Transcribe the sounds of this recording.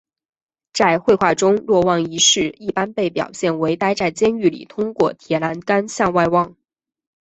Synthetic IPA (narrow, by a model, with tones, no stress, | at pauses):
t͡sa˥˧ɪxwe˥˧ɪxwa˥˩ʈ͡ʂʊ˥ŋlwɔ˥˧wɑ˥˩ŋi˧˥ʂɻ̩˥˧i˥˩pa˥npe˥˩ɪpjɑ̰˨˩ʊɕjɛ˥˩nwe˧˥ɪt̪a˥ɪt͡sa˥˩ɪt͡ɕjɛ˥ny˥˩lḭ˨˩t̪ʰʊ˥ŋkwɔ˥˩t̪ʰjɛ˧˥na˧˥nka˥nɕjɑ˥˧ŋwa˥˧ɪwɑ˥˩ŋ